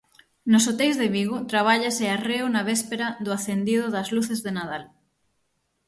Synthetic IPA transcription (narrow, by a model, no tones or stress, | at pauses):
nosot̪ejzðeβiɣot̪ɾaβ̞aʎasearewnaβ̞espeɾaðʊaθend̪ið̞ʊðɐzluθezðenað̞al